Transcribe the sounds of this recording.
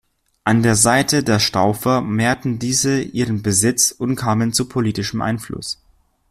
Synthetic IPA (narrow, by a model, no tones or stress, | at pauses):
ʔandeːɐzaɪtʰədeːɐʃtaʊfɐmeːɐtn̩diːzəʔiːʁənbəzɪt͡sʊntkʰaːmənt͡supʰoliːtɪʃəmʔa̰ɪnflʊ̰s